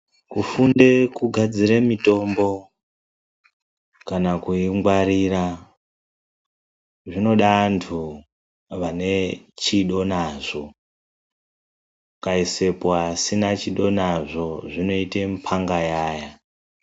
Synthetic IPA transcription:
kufunde̞kuɡʱad͡ziɾemito̞mbo̞ | kanakuiŋɡwaɾira | ʐino̞ɗantʰu | ʋane̞t͡ʃiɗo̞naʐo̞ | kaise̞poasinat͡ʃiɗo̞naʐo̞ʐino̞itempʰaŋɡajaːja

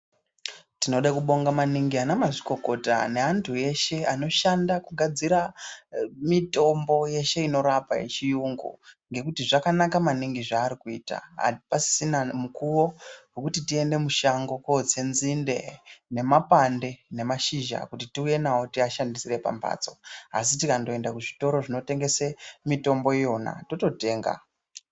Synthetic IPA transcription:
tino̞ɗakuɓo̞ŋɡamaniŋɡianamaʐiko̞ko̞ta̰ne̞ɦantʰue̞ʃe̞ano̞ʃandakuɡʱad͡ziɾa | mito̞mbo̞je̞ʃe̞ino̞ɾapa̰je̞̰t͡ʃijuŋɡṵŋɡe̞kutiʐakanakamaniŋɡiʐaːɾikuiːta̰ɦa̰pasi̥sinamukuwo̞wekutitie̞nde̞muʃaŋɡo̞kot͡senzinde̞̰ne̞mapande̞ne̞maʃiʒa̰kutitiuje̞nawotiaʃandisire̞pa̰mba̰ːt͡so̞a̰sitikando̞e̞ndakuʐito̞ɾo̞ʐino̞te̞ŋɡe̞semito̞mbo̞ijo̞na̰to̞to̞te̞ːŋɡa̰

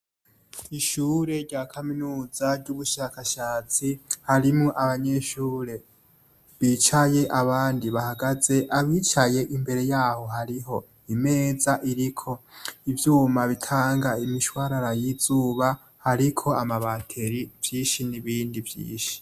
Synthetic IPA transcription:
iʃuːɾe̞ɾɟaːkʰaminuːzaɾɟuβuʃakaʃaːt͡sihaɾimŋoʔaβaɲe̞ʃuːɾe̞ | βit͡ʃaje̞ʔaβaːndiβahaɡaze̞ʔaβiːt͡ʃaje̞ʔimbe̞ɾe̞jaːho̞haɾiɦo̞ | ime̞ːzaʔiɾikʰo̞ivjuːmaβitʰaːŋɡaimiʃwaɾaɾajiz̥uːβa | haɾikʰo̞amaβatʰe̞ɾivjiːʃiniβiːndivjḭːʃi̥

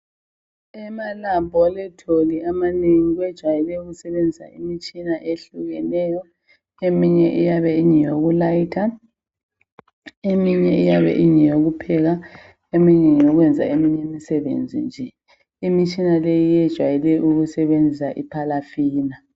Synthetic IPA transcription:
ɛmalambʱɔlɛtʰoliamaneŋiɣwɛd̥ʒ̥ʱwajɛlɛuɣusɛβend͡zʱisa̰imit͡ʃʼinaʔeɬuɣɛnɛjɔ | emiɲɛʔijaβɛiɲɛjoɣulajitʰa | emiɲɛijaβɛ̰ʔiɲɛjoɣupʰɛɣa | emiɲɛŋijoɣwɛnd͡zʱa̰emiɲemisɛβḛnd͡zʱḭnd͡ʒʱɛ | imit͡ʃʼinalejijɛd̥ʒ̥ʱwajɛlɛʔuɣusɛβend͡zʱisaʔipʰalafiːna

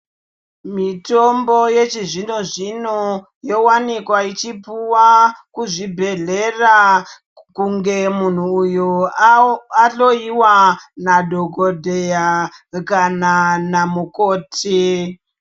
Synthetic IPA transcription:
mito̞mbo̞je̞t͡ʃiʐino̞ʐino | jo̞wanikwait͡ʃipuwakuʐibʱe̞ɮe̞ra | kuŋɡe̞mun̤uːjo | aɬo̞iwanadʱo̞ɡodʱejakananamuko̞ːtʰi

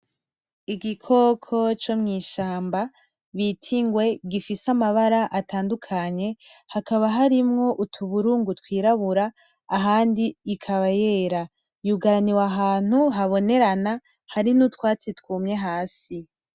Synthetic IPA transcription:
iɡikʰo̞kʰo̞t͡ʃo̞mŋiːʃaːmba | βitʰiŋɡwe̞ɡifisamaβaɾaʔataːndukʰaɲe̞hakaβaɦaɾimŋo̞ʔutʰuβuɾuːŋɡutwiːɾaβuɾaː | ɦaːndiːkʰaβaje̞ːɾa | juɡaɾaniwaɦaːn̥huɦaβo̞ne̞ɾana | haɾinutwaːt͡sitkuːmɲe̞ɦaːsi

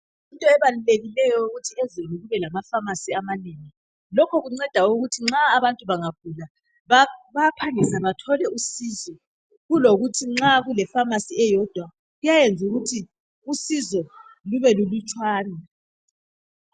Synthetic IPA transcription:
intʼɔɛβaluleɣilɛjɔuɣutʰiɛzeniɣuβɛlamafamasiamaneːŋi | lɔkʰɔɣuŋ͡ǀɛd̥ʱauɣutʰiŋ͡ǁaːβantʼuβaŋakula | βapʰaŋɛsaβatʰɔlɛusiːzɔ | ɣuloɣutʰiŋ͡ǁaɣulɛfamasiɛjɔd̥ʱwa | ɣujajend͡zʱuɣutʰi | usizɔluβɛlulut͡ʃʼwaːna

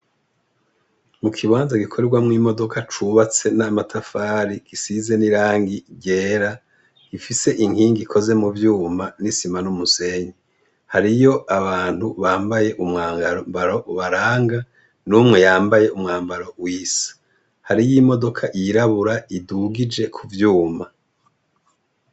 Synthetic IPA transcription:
mukʰiβaːnzaɡikʰoɾeɾɡwamŋiːmo̞do̞kʰat͡ʃuβat͡se̞namatʰafaːɾiɡ̥isize̞niɾaːŋɡiɟeːɾa | ifise̞ʔiŋhiːŋɡikʰo̞ze̞muvjuːmanisimanumuse̞ːɲi | haɾijo̞ʔaβaːn̥huβaːmbaje̞ʔumŋaːŋɡambaɾo̞ʔuβaɾaːŋɡa | numŋe̞jaːmbaje̞umŋaːmbaɾo̞wiːsḁ | haɾijimo̞do̞kʰaʔiɾaβuɾaiduɡid͡ʒe̞kʰuvjuːma

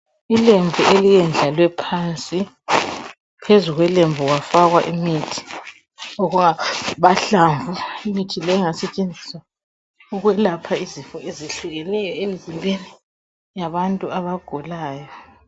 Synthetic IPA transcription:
ilembʱuʔelijɛnd͡ɮʱalwɛpʰant͡sʼi | pʰezuɣwɛlemvʱuɣwafaɣwa̰ʔimitʰi̥ | oɣuŋaβaɬaɱvʱuimitʰilɛŋasɛt͡ʃʼend͡zʱiswa | uɣwɛlapʰaizifɔeziɬuɣɛnɛjɔemizimbʱeni | jaβantʼuaβaɡ̥ʱɔlaːjɔ

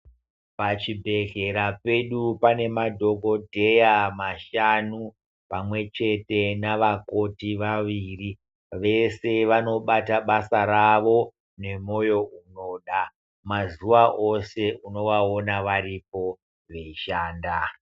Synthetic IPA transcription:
pat͡ʃibʱe̞ɮe̞ɾape̞ɗupane̞madʱo̞ko̞dʱe̞jamaʃanu | pamwe̞t͡ʃe̞te̞naʋako̞tiʋaʋiːri | ʋe̞se̞ʋano̞ɓataɓasaɾaʋo̞ | ne̞mo̞jo̞uno̞ɗa | mazuʋaʔo̞se̞ʔuno̞ʋaonaʋaɾip̚o̞ | ʋe̞iʃaːnda

